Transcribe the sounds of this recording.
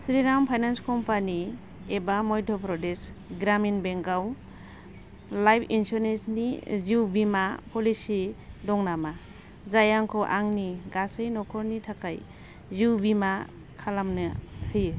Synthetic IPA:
sɾiɾampʰajnanskɔmpani | ebamɔjdʰʱɔpɾɔdesɡɾaminbeŋɡaw | lajpʰinsɔɾnensniziwbimapʰɔlisidɔŋnama | zajaŋkʰɔʔaŋniɡasɯjnɔkʰɔɾnitʰakaj | ziwbima | kʰalamnɯhɯj

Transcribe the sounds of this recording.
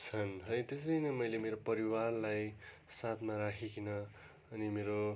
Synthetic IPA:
t͡sʰʌnɦʌjt̪es̬ʌjnʌmʌjlemeɾopʌɾiwarlaj | sat̪ʰmaɾakʰikʰinʌ | ʌnimeɾo

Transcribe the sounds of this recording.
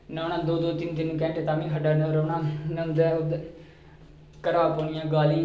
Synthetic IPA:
naːnãːd̪oːd̪oːt̪ɪnt̪ɪnːũːkɛ̃ːɳʈet̪aːmĩːɦəɖaːnoːɾoːnãːnənd̪ɛːʊd̪ | kəɾaːpoːnɪjãːɡaːlĩː

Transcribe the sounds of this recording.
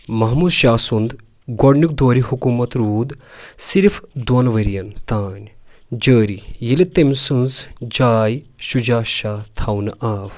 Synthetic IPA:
mɐɦmuːd̪ʃaːsund̪ | ɡɔɽnuk̚d̪oːɾihukumɐt̪ɾuːd̪siɾfd̪onʋɐɾijɐnt̪aːnʲd͡ʒəːɾijilit̪emʲsunzd͡ʒaːjʃud͡ʒaːʃaːt̪ʰaːwnʔaːf

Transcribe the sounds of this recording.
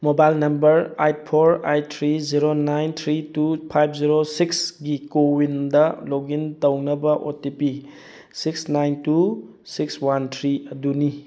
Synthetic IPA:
mobajlnɐmbɐɾajt̚pʰoɾajtʰɾiziɾonajnt̪ʰɾitupʰajpʰziɾosiksɡikowindɐloɡintɐwnɐbɐʔotipi | siksnajntu | sikswantʰɾiɐduni

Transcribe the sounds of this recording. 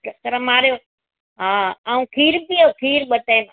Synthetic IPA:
kəɾəmaːɾjoː | ɦaːaːũːkʰiːɾpioːkʰiːɾɓət̪eːm

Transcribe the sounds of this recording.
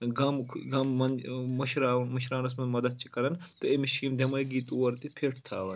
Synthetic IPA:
ɡɐmɡɐmːɐnmɐʃɾaːmɐʃɾaːnɐs̬mɐmɐd̪ɐd̪̚t͡ʃʰikɐɾɐnt̪ɨemiʃimd̪emɐjɡit̪ʼuwɐɾt̪ipʰeːʈʰt̪ʰaːʋɐn

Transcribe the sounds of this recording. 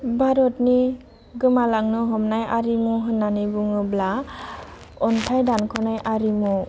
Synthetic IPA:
bʱaɾɔtni | ɡɯmalaŋnɯɦɔmnajaɾimɔɦɯnːanibuŋɯbla | ɔntʰajdankʰɔnajʔaɾimɔ

